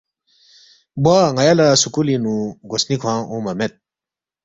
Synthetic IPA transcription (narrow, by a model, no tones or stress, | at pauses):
bwaŋajalasukulinũɡosnikʰwãːũmɐmet̪̚